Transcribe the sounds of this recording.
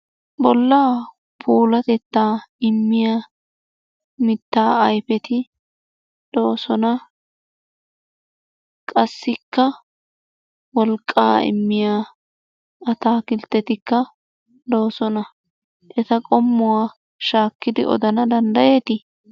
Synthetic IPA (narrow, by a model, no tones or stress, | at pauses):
bɔlːaː | pʰuːlɐt̪ɛt̪ːaːɪmːɪjaː | mɪt̪ːaːjfɛt̪ɪ | d̪̥o̞ːsɔnɐ | kʼɐsːɪkːɐ | wɔlkʼːa̰ːɪ̰mːɪjaː | ɐt̪aːkɪlt̪ːɛt̪ɪkːɐ | d̪o̞ːsɔnɐ | ʔɛt̪ɐkʼɔmːʊwaː | ʃaːkːɪd̪ɪʔɔ̰d̪ɐnɐd̪ɐnd̪ɐje̞ːt̪ɪ